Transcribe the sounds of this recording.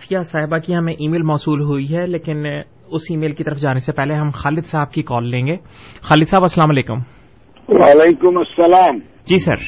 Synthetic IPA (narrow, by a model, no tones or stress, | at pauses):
fijasaːɦɪbakiɦɐmẽʔiːmeːlmɔːsuːlɦuiɦɛleːkɪn | ʊsiːmeːlkit̪ɐɾəfd͡ʒaːnesepɛɦleɦɐmxaːlɪd̪saːb̚kikɔːlːẽːŋɡeː | xaːlɪd̪saːbɐsːəlaːmaleːkʊ̰m | waːleːkʊmɐsːɐlaːm | d͡ʒiːsɐ̰ɾ